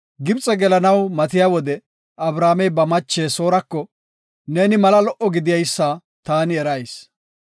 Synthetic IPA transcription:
ɡɪbt͡sʼɛɡɛlɐnɐwmɐt̪ɪjaːwɔd̪ɛ | ɐbɾaːmɛjbɐmɐt͡ʃːeːso̞ːɾɐkːɔ | ne̞ːnɪmɐlɐlɔʔɔɡɪd̪ɪjɐjsːaː | t̪aːnɪɛɾɐjs

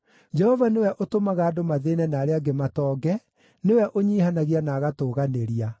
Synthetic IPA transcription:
d͡ʒɛhɔvanewɛʔotomaɣaːdomaðenɛnaːɾeaɡematɔːɡɛ | newɛʔoɲiːhanaɣianaːɣatoːɣaneɾia

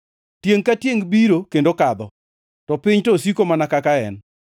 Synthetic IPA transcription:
tjeŋkatjeŋbiɾokendokad̪ɔ | tɔpɪɲtosikomanakakaɛn

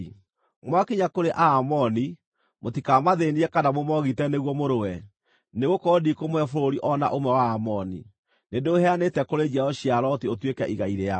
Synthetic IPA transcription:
mwakiɲakoɾeʔaːmɔni | motikamaðeniɛkadamomɔɣitɛneɣwɔmoɾowɛ | neɣokɔdikomwɛfoɾoɾiʔɔna̰ʔomwɛwaːmɔnḭ | nedoːhɛanetɛkoɾed͡ʒɛɔɕiaɾɔtiotwekɛ̰ʔiɣaiɾea

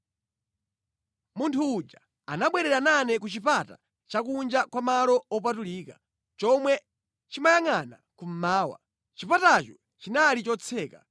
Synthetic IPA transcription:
muntʰuːd͡ʒa | anaɓwɛɾɛɾananɛkut͡ʃipata̰ | t͡ʃakund͡ʒakwamalɔɔp̬atuliːka | t͡ʃɔmwɛ | t͡ʃimajaŋanakum̩maːwa̰ | t͡ʃipatat͡ʃɔ | t͡ʃinalit͡ʃɔt͡sʰɛːka

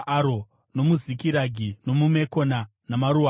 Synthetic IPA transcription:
ʔaɾo | no̞muzikiɾaɡʱino̞mume̞ko̞na | namaɾua

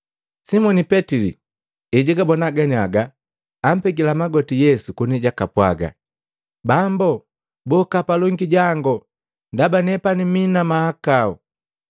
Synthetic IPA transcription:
simɔnipɛtilḭ | ɛɟiɡabɔnaɡaniaɡaː | m̩pɛɡilamaɡɔtijɛsukuniɟakapwa̰ɡa̰ | bambɔ | bɔkapalɔŋɡiɟaŋɡɔ | ndabanɛpaniminamahakaɔ

